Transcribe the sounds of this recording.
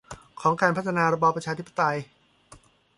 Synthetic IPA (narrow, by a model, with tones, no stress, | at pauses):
kʰɔː˩˦ŋkaː˧npʰa˦˥t̪ʰːa˧naː˧ɾa˧bɔː˧pɾt͡ɕʰaː˧t̪ʰi˦˥pːḁ˧t̪a˧j